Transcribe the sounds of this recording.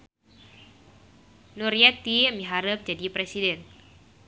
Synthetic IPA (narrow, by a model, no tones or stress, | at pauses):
nuɾiat̪iamiɦaɾəp̚d͡ʒadipɾesidɛn